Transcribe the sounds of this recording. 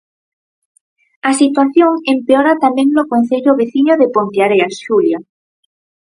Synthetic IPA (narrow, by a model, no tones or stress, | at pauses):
asit̪waθjoŋempeoɾat̪amẽŋnokon̟θeʎoβeθiɲoðepont̪jaɾeasʃulja